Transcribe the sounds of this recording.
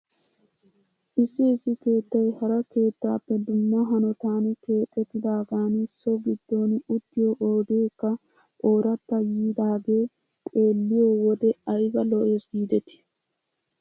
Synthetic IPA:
ʔɪsːɪːsːɪke̞ːt̪ːɐjhɐɾɐke̞ːt̪ːaːpːɛd̪ʊmːɐɦɐnɔt̪aːnɛke̞ːt̪ʼːɛt̪ːɪd̪aːɡaːnɪsoɡɪd̪ːo̞ːnʊt̪ːɪjoʔoːd̪eːkːɐ | ʔoːɾɐt̪ːɐjiːd̪aːɡe̞ː | kʼeːlːɪjoːwɔd̪ɛɐjbɐlɔʔe̞ːsɡiːd̪ɛt̪ɪ̥

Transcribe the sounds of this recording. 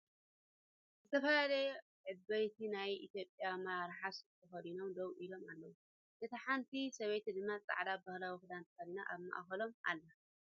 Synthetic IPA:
zɨt̪ʰɐfɐlalɐ | ʕɨbːɐjt̪ʰinajʔḭt̪ʰjo̞pʼːjamaɾaɾħast̪ʰɐfɐd̪ino̞md̪owʔilo̞malːɐwu | ʔɨt̪ʰiħant̪ʰisɐβejt̪id̪ɨmːat͡sʼa̰ʕd̪abahlawixɨd̪ant̪ʰfalinaʔaβma̰ʔxɐlo̞mʔa̰lːɐ

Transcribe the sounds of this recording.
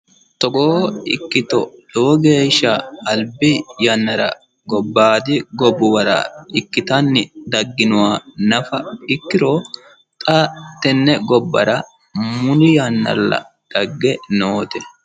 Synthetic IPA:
t̪ɔɡoːɪkːɪt̪ɔ̰lɔwɔɡe̞ːʃːɐːlbɪjɐnːɐɾɐ̰ | ɡɔbːaːd̪ɪɡɔbːʊwɐɾɐ̰ɪkːɪt̪ɐnːɪd̪ɐɡːɪnʊwaːnɐfɐɪkːɪɾoː | t̪ʼɐt̪ːɛnːɛɡɔbːɐ̰ɾɐ | mʊnɪjɐnːɐ̰lːɐ̰ | d̪̥ɐɡːɛnoːt̪ɛ

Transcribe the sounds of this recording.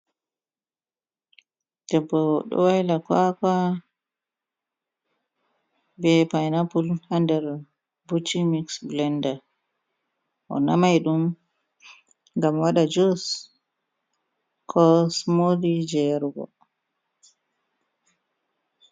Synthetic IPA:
d̥ɛbːɔɗɔ̰wajlakaka | bɛpajnapulhandɛɾ | butːimiksblɛnda | ʔɔ̰namajɗum | ŋɡamwaɗad͡ʒos | kʰɔsmodid͡ʒɛɾɡɔ̰

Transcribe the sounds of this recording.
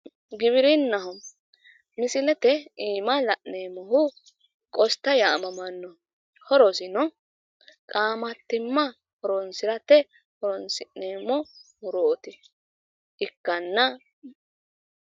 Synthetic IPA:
ɡɪβɪɾɪnːɐɦɔ | mɪsɪlɛt̪ɛiːmɐlɐʔneːmɔɦʊ | kʼɔst̪ːɐjaːmɐmɐnːɔ | hɔɾɔsɪnɔ | kʼaːmɐt̪ːɪmːɐ | hɔɾɔnsɪɾɐt̪ɛ | hɔɾɔnsɪneːmːɔmʊɾoːɔt̪ɪ | ʔɪkːɐnːɐ

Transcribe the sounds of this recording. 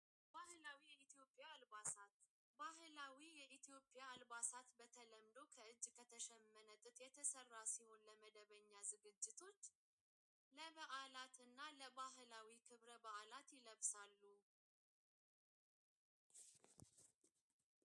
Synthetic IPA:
bahlawijɛit̪ijo̞pʼːjalbasat̪ | baɦɨlawijɛʔit̪ʰijo̞pʼːjaːlbasat̪bət̪ʰələmd̪o̞kʰəɨd͡ʒːkʰət̪ʰəʃɛmːənət̪ʼɨt̪ʼjɛt̪ʰəsərːasiho̞nləməd̪əβəɲːazɨɡɨd͡ʒːɪt̪ʰo̞t͡ʃː | ləβəʔalat̪ɨnːaləβaɦlawikʰɨβɾəbəʔalat̪jɪləβsalːu

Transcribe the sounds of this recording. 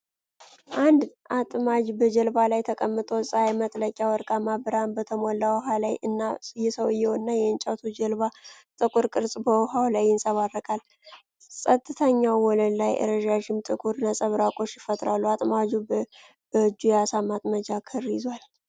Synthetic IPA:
ʔand̪ʔat̪ʼmad͡ʒbəd͡ʒəlbalajt̪ʰəkʼəmːɨt̪ʼosʼajmət̪ʼləkʲʼːawɔɾkʼamabəɾanbət̪ʰəmolːawɦalajɨnːasjɛsəwɨjːɛwonːajɛɨnt͡ʃʼawt̪ʰud͡ʒəlβa | t̪ʼɨkʼuɾkʼɨɾsʼbəwɦawlajːɪnsʼəβarːəkʼal | sʼət̪ʼːɨt̪ʰəɲːawːɔlənlajʔə̰ɾəʒaʒɪmt̪ʼɨkʼuɾnəsʼəβɾakʼo̞ʃjɪfət̪ʼɾalːuat̪ʼmad͡ʒu | b̥əɨd͡ʒːujɛasamat̪ʼməd͡ʒakʰɨrjɪzwal

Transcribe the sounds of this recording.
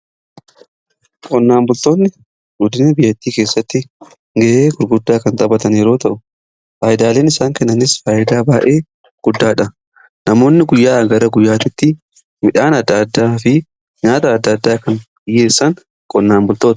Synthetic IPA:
kʼɔnːaːmbʊlt̪o̞ːnːɪ | ɡʊd̪ɪnɐbɪjːɐt̪ːiːkeːsːɐt̪ːɪ | ŋɡɛʔeːɡʊɾɡʊd̪ːaːkɐnt̪ʼɐbɐt̪ɐnɛɾo̞ːt̪ɐʔʊ | faːjɪd̪aːleːnɪsaːŋkɛnːɐnɪsfaːjɪd̪aːbaːʔe̞ː | ɡ̥ʊd̪ːaːᶑɐ | nɐmo̞ːnːɪɡʊjːaːɡɐɾɐɡʊjːaːt̪ɪt̪ːɪ | mɪᶑaːnɐd̪ːɐd̪ːaːfɪ | ɲaːt̪ɐːd̪ːɐd̪ːaːkɐn | ɪjːeːsːɐŋ | kʼɔnːaːmbʊlt̪oːt̪ɐ̥

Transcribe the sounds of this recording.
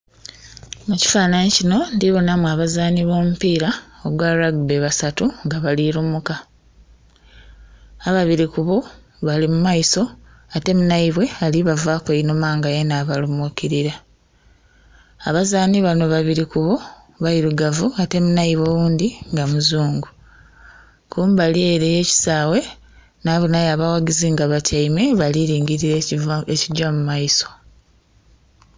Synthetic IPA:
muci̥faːnanicino̞ndiβo̞namwaβazaːniβoːmupiːɾaoɡwaɾaɡbeβasatuŋɡaβaliɾumuka | βaβiɾikuβo | βalimumaiso̞ | ate̞munaiβwe̞aliβavaːkweinumaːŋɡajenaːβalumukiɾiɾa | βazaːniβano̞βaβiɾikuβo | βaiɾuɡavuate̞munaiβwowuːndiŋɡamuzuːŋɡu | kuːmbalie̞ɾeje̞ːci̥saːwe̞ | naːβunajaːβawaɡiziŋɡaβacaime̞βaliɾiːŋɡiɾiɾeeciɟamumaiso̞̥

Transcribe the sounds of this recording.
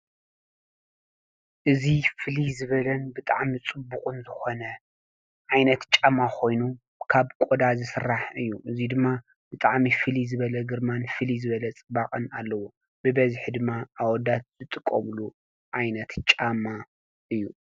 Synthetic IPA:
ʔɨzifɨlizɨβɐlɐnbɨt̪ʼa̰ʕmit͡sʼɨbːukʼunzɨxo̞nɐ | ʕajnɐt̪t͡ʃʼamːakʰo̞jnu | kʰaβkʼod̪azɨsɨraħɨjːuʔɨzid̪ɨmːa | b̥ɨt̪ʼaʕmifɨlizɨβɐlɐɡɨɾmanfɨlizɨβɐlɐt͡sʼɨbaχʼɐnalːɐwo | bɨbɐziħid̪ɨmːaʔawɔd̪at̪̚z̥ɨt̪ʼɨkʼːo̰mlu | ʕajnɐt̪t͡ʃʼama | ʔɨjːu

